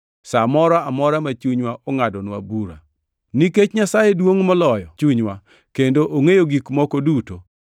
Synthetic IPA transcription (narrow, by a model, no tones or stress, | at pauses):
samɔɾaamɔɾamat͡ʃuɲwaʔɔŋadɔnwabuɾa | niket͡ʃɲasajedwoŋmɔlɔjɔt͡ʃuɲwa | kendoʔoŋejoɡikmɔkoduto